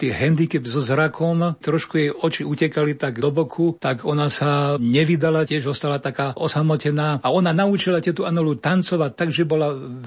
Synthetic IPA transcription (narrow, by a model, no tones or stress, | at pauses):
t̪iɛɦɛnd̪ikɛbzɔzɾakʰɔmt̪ɾɔʃkujɛjɔt͡ʃiucɛkalit̪aɡd̪ɔbɔkʰut̪aɡɔnasaɲɛʋid̪alacɪɛʒɔst̪alat̪akaːʔɔsamɔcɛnaːaɔnanaut͡ʃilatɪɛt̪uʔanɔlut̪ant͡sɔʋact̪ːaɡʒɛbɔla